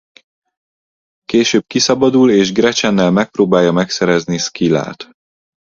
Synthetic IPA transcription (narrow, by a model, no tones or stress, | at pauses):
keːʃøːb̚kisɒbɒd̪uleːʒɡrɛt͡ʃɛnːɛlmɛk̚proːbaːjːɒmɛksɛɾɛzniskila̰ːt̪